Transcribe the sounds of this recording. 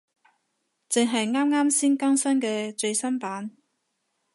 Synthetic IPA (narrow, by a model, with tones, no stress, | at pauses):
t͡sɪ˨ŋɦɐ˨jŋaː˥mŋaː˥msiː˥nkɐ˥ŋsɐ˥nkɛː˧t͡ʃɵ˧ɥsɐ˥mpaː˨˥n